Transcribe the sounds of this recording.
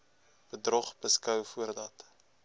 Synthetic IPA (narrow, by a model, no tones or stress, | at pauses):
b̥ədrɔχb̥əskœwfuərdɐt